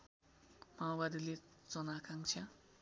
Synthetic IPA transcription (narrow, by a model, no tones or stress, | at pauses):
mawbad̪ilet͡sʌnakaŋt͡sʰjã